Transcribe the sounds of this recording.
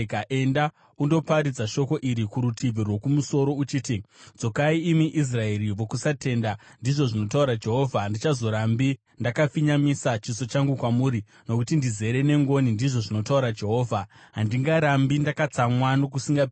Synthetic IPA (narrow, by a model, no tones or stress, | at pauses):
kaʔe̞nda | undo̞paɾid͡zaʃo̞ko̞ʔiɾikuɾutʰivʱirwo̞kumuso̞ɾo̞ut͡ʃiːtid͡zo̞kaiːmiʔis̬rae̞ɾiʋo̞kusate̞ːndandiʐo̞ʐino̞tauɾad͡ʒe̞ɦo̞ːvʱandit͡ʃazo̞ɾambi | ndakafiɲamisat͡ʃiso̞t͡ʃaŋɡukwamuːɾi | no̞kutindize̞ɾe̞ne̞ŋɡo̞nindiʐo̞ʐino̞tauɾad͡ʒe̞ɦo̞ːvʱaɦandiŋɡaɾambindakat͡samwano̞kusiŋɡa